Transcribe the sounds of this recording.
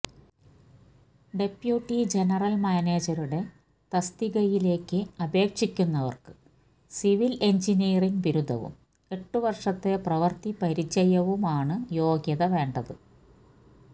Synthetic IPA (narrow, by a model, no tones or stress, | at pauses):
ɖe̞pjuːʈːid͡ʑe̞nɐrɐlmaːne̞ːd͡ʑɐɾuɽe̞ | t̪ɐst̪iɣɐjile̞ːkːɨɐbʱe̞ːkʂikʲːunːɐʋɐ̰rkɨ̥ | siʋile̞ɲd͡ʑiniːɐriŋɡʋiɾud̪ʱːɐ̰ʋṵm | e̞ʈːɨʋɐrʂɐt̪ːe̞prɐʋɐrt̪ipɐɾit͡ɕːɐjɐʋumaːɳɨjo̞ːɡjɐðɐʋe̞ːɳɖɐðɨ